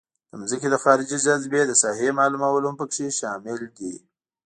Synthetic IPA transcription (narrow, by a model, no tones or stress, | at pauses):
d̪̥əmzəked̪əxɑɾɪd͡ʒid͡ʒazbed̪əsɑɦemɑlumawəlampəkʂeʃɑmɪld̪i